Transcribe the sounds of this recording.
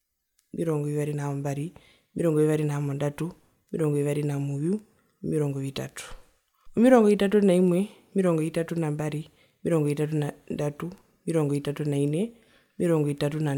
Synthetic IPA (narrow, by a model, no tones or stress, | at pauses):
miɾɔŋɡɔiʋaɾinamɔmbaɾi | miɾɔŋɡɔiʋaɾinaɦamondatu | mḭɾɔŋɡɔiʋaɾinamuju | miɾɔŋɡɔita̰tu̥ | umiɾɔŋɡɔitat̬unaimwe | miɾɔŋɡɔitatunambaɾi | miɾɔŋɡɔitat̬unandatu | miɾɔŋɡɔitatunaine | miɾɔŋɡɔitatuna